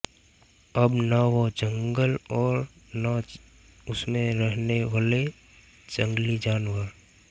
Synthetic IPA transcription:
əbnaʋod͡ʒə̃ŋɡəlɔːɾna | ʊsmẽɾəɦneʋaːle | d͡ʒə̃ŋɡlid͡ʒaːnwəɾ

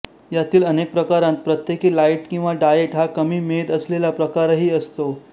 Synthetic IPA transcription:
jat̪iːlənek̚pɾəkaɾãnt̪̚pɾət̪jekiːlaiʈkĩw̃ʋaɖajeʈɦakəmiːmed̪əslelapɾəkaɾɦiːəst̪o

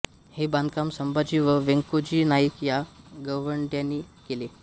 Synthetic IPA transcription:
hebãnd̪̚kamsəmbad͡ʑiʋəʋeŋkod͡ʑiːnajikja | ɡəʋəɳɖjãnːiːkele

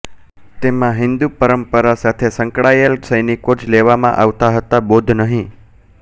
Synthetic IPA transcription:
t̪emãɦɪnd̪upəɾəmpəɾasat̪ʰesə̃ŋkɽajelsəjnikot͡ʃʰleʋamã̰ʔaʋt̪aɦət̪abod̪ʱnəɦĩ

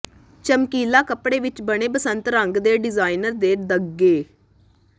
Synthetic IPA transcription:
t͡ʃəmkiːlaːkəpɽeːʋɪt͡ʃbəɽ̃eːpəsənt̪ɾəŋɡd̪eːɖɪzaːinəɾd̪eːd̪əɡːeː

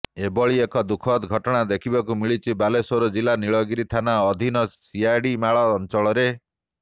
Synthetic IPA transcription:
ebɔɭiekɔd̪ukʰɔt̪ɡʱɔʈɔɽ̃ad̪ekʰibakumiɭit͡ʃʰibalesoɾud͡ʒilaniɭɔɡiɾit̪ʰanaɔd̪ʱinɔsiajɖimaɭɔːnt͡ʃɔɭɔɾe

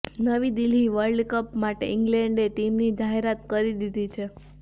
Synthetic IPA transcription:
nəʋid̪iliʋəɾɖkəpmaʈḛɪŋɡlɛ̃ɳɖeʈimnid͡ʒaɦeɾat̪kəɾid̪id̪it͡ʃʰe

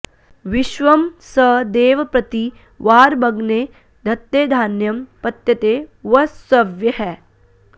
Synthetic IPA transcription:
ʋɪʃʋɐmsɐd̪eːʋɐpɾɐt̪i | ʋaːɾbɐɡneː | d̪ʱɐt̪jeːd̪ʱaːnjɐmpɐt̪jɐt̪eːʋɐsɐʋjɐɦɛː

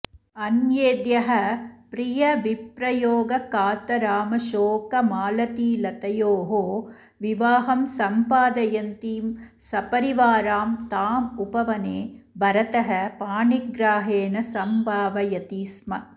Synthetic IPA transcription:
ɐnjeːd̪jɐɦɐpɾijɐʋipɾɐjoːɡɐkaːt̪ɐɾaːmɐʃoːkɐmaːlɐt̪iːlɐt̪ɐjoːɦoː | ʋiʋaːɦɐmsɐmpaːd̪ɐjɐnt̪iːm | sɐpɐɾiʋaːɾaːmt̪aːmupɐʋɐneːbʱɐɾɐt̪ɐɦɐpaːɳiɡɾaːɦeːnɐsɐmbʱaːʋɐjɐt̪iːsmɐ

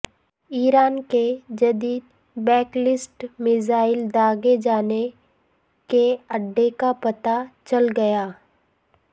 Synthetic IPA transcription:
iːɾaːnked͡ʒɐd̪iːd̪̚ | bɛːklɪsʈmɪzaːɪld̪aːɡed͡ʒaːne | keɐɖːekapɐt̪at͡ʃɐlɡɐjaː

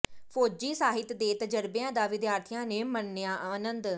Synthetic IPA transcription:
pʰoːd͡ʒiːsaːɦɪt̪d̪eːt̪əd͡ʒəɾbɪjãːd̪aːʋɪd̪jaːɾt̪ʰɪjãːneːmənːɪjãːʔaːnənd̪

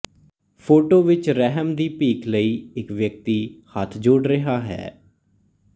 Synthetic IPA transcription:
pʰoːʈoːʋɪt͡ʃɾɛɦəmd̪iːpiːkləiːɪkʋjək̚t̪iːhət̪ʰd͡ʒoːɽɾəɦaːɦɛ̰ː

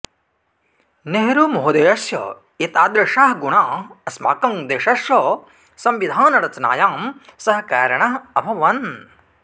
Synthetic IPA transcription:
neɦɾuːmoɦod̪ejɐsjɐ̰ | it̪aːd̪ɾɐʃaːɦɡuɳaːɐsma̰ːkɐŋd̪eːʃɐʃjɐ | sɐmʋid̪ʱaːnɐɾɐt͡ʃɐna̰ːjaːmsɐɦɐ̆kaːɾɐɳɐɦɐbʱɐʋɐn

